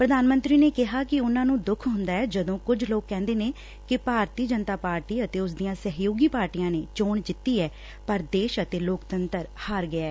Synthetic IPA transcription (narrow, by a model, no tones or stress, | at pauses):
pɾəd̪aːnmə̃nt̪ɾiːneːkɪɦaːkɪʊnãːnũːd̪ʊkʰɦʊnd̪aːɛːd͡ʒəd̪õːkʊd͡ʒloːkːɛ̃ːnd̪eːneː | kɪpaːɾt̪iːd͡ʒənt̪aːpaːɾʈiːət̪eːʊs̬d̪iːãːsəɦjoːɡiːpaːɾʈiːãːneːt͡ʃoːɳd͡ʒɪt̪ːiːɛː | pəɾd̪eːʃət̪eːloːkt̪ənt̪əɾhaːɾɡəɛː